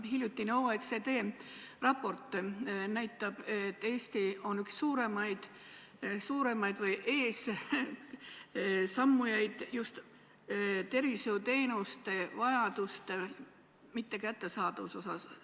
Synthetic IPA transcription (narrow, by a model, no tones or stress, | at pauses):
ɦiljut̪ːˑinowet̪se̞t̪e̞ːrɑpːo̞rt̪ˑnæjt̪ːˑɑb̥e̞t̪ːˑe̞ːsʲt̪io̞nyksːuːɾe̞mɑjd̪̥ | suːɾe̞mɑjd̪̥vɤjʔe̞ːs | sɑmːujɑjd̪̥just̪ | t̪e̞rviseut̪e̞ːnust̪evɑjɑd̪̥ust̪e | mit̪ːe̞kæt̪ːe̞sɑːd̪ɑvuso̞sɑs